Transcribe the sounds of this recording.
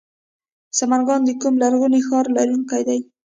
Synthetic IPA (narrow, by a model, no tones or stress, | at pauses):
samaɾɡɑnd̪əkumlaɾɣunixɑɾlɑɾjuŋkajd̪aj